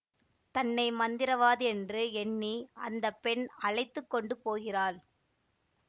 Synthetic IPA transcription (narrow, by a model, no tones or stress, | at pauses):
t̪ɐnːɐɪmɐnd̪ɪɾɐʋaːðɯɛndrɯɛnːiɐ̰nd̪ɐpːɛnɐɻɐɪt̪ːɯkːɔɳɖɯpoːɣɪraːl